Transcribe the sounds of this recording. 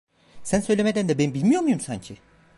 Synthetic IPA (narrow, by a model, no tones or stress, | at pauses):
sænsø̞jlʲemed̪ænd̪ɛbenibilʲmijo̞ɾmujumsaɲcʰi